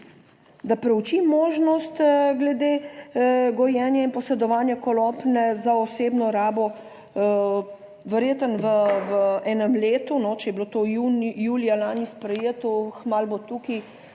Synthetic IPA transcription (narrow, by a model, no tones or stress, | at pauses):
d̪apɾɛut͡ʃimoːʒnɔst̪ɡlɛd̪e | ɡɔjɛːnjainpɔsɛd̪ɔʋaːnjakɔlɔpnɛzaɔseːbnɔɾaːbɔ | ʋɛɾjeːt̪ənʋəʋəɛːnəmleːt̪unɔt͡ʃɛjɛblot̪ojunjuːlijalaːnispɾɛjeːt̪ɔxmaːlbot̪uki